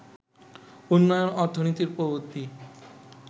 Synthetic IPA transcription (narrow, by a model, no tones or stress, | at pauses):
unːɔjonɔɾt̪ʰonit̪iɾpobot̪ːi